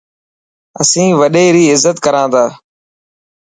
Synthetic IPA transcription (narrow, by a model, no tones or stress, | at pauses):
əsĩːʋəɗeːɾiːɪzːət̪kəɾãːd̪aː